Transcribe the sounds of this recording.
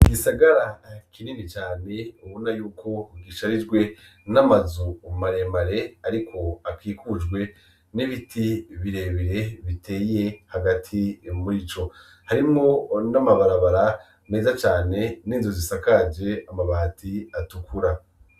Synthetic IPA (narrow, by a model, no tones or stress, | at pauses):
ɡisaɡaɾakʰiniːndit͡ʃaːneuβunajuːkʰo̞ɡiʃaɾid͡ʒɡwe̞ | namazumaɾemaɾe̞aɾikʰo̞akiːkud͡ʒɡwe̞ | niβitʰiβiɾe̞βiɾe̞βite̞ːije̞haɡatʰimuɾit͡ʃo̞ | haɾimŋo̞namaβaɾaβaɾa | ne̞ːzat͡ʃaːne̞niːnzozisakad͡ʒe̞amaβatʰiatukʰuɾa